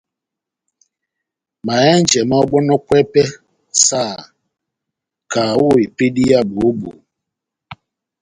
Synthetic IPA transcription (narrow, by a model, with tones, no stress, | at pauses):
ma˨e˦n̩˦d͡ʒe˨mɔ˦ɔ˦ɡ͡bɔ˦nʊ˦kʷe˦pe˦ | saː˦˨ | ka˨ʊ˦˨i˨pe˦di˦ja˦bʊ˨o˦bṵ˨